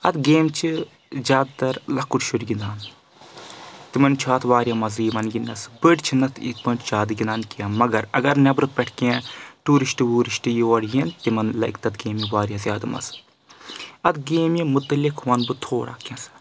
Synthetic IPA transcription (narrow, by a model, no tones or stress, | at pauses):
ɐt̪ɡeːmt͡ʃʰi | zʲaːd̪̚t̪ɐɾlɐkuʈʃuɾɡind̪aːn | t̪imɐnt͡ʃʰaːt̪ʰʋaːɾijɐmɐzɾiːʋɐnɡinːɐsbɨɖt͡ʃʰinɐt̪ʰḭt̪pɐɳʈt͡ʃʰaːd̪ɨɡinaːnkiɐːmɐɡɐɾɐɡɐɾnʲɐbɾɨpʲɛʈʰkʲẽːʈuːɾiʃʈibuːɾiʃʈijiʋɐɽjint̪imɐnlɐ̰jkt̪ɐt̪ɡeːmiʋaːɾʲijɐzʲjaːd̪ɨmɐ̰s | ɐt̪ɡeːmjimut̪ɐlikʰʋɐnbɨt̪ʰoːɽa̰ːkʲɐ̃s